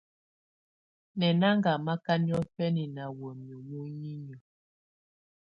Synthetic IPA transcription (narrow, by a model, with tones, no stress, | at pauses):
nɛ˨na˦ŋɡa˨ma˦ka˦njɔ˦fɛ˦ni˨na˨wɔ˨mjɔ˨mu˦ɲi˦ɲ˨ɔ˨